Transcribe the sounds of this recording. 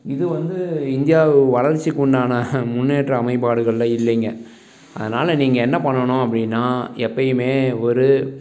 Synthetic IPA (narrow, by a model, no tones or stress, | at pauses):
ɪðɯʋɐnd̪ɯɪnd̪ɪjaːʋɯʋɐlɐɾt͡ʃːikːʊɳɖaːnɐmʊnːeːʈrɐɐmɐɪpaːɽɯɣɐɭːɐɪlːɛŋɡɐ | ɐ̰ðɐnaːlɐniːŋɡɐɛnːɐpɐɳːɐɳʊ̃ɐp̬ːɐɽɪnːaːɛpːɐjɯmeːɔɾɯ